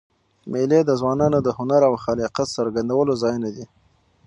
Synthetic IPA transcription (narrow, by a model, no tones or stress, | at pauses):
meled̪əzwɑnɑnod̪əhʊnaɾawxaliqat̪saɾɡand̪awəlozɑjnad̪i